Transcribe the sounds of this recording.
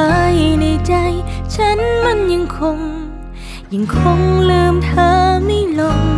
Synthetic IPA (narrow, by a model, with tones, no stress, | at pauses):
a˧˦jna˧˩jt͡ɕa˧jt͡ɕʰa˧˦˥nma˧˥˩nɲɨ˧˥ŋkʰo˧ŋ | ɲɨ˨˧˩ŋkʰo˧˥ŋlɯː˧mt̪ʰəː˧˥mi˧˩jlo˧m